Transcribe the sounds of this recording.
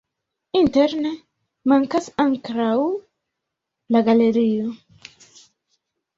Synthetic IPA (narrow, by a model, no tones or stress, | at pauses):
inteɾne | maŋkasaŋkɾaw | laɡale̞ɾio